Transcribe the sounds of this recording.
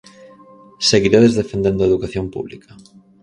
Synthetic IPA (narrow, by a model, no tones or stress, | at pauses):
seɣiɾeðezðefend̪end̪oaeðukaθjompṵβlḭkʰɐ